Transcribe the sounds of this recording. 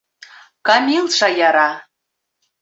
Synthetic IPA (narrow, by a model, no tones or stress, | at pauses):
kɑmʲilˠʃɑjɑɾɑ